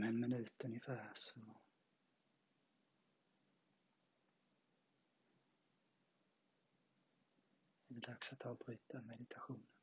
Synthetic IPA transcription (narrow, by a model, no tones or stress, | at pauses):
hɛnmɪnʉːt̪ʉnjəfæːɾsɔ | ɛd̪ɛd̪ɑksat̪ʰːɑːɔbʁyːt̪amɛd̪ɪt̪ʰɑɧuːnən